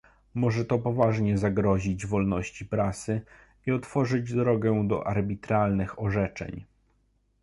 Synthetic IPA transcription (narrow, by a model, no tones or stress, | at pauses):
mɔʐɛt̪ɔpɔvaʐɲɛzaɡɾɔʑid͡ʑvɔlnɔɕt͡ɕipɾasɘ | iɔt̪fɔʐɘd͡ʑd̪ɾɔɡɛd̪ɔ̰ʔaɾbʲit̪ɾalnɘxɔʐɛt͡ʂɛ̰ɲ